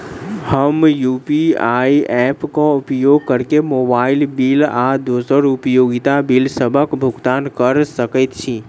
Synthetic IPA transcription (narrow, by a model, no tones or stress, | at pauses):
həmjupiaːiɛːpkoʊpjoːɡ̚kəɾkemoːbaːɪlbilad̪osəɾʊpjoːɡit̪abilsəbʱəkbʱʊɡt̪aːnkəɾsəkət̪t͡ʃʰi